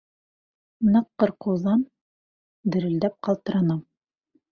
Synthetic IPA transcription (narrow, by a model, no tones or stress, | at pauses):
nɤqːɤɾqŭwðɑn | d̪ɘ̆ɾɘ̆ld̪æp̚qɑlˠt̪ɤ̆ɾɑnɤm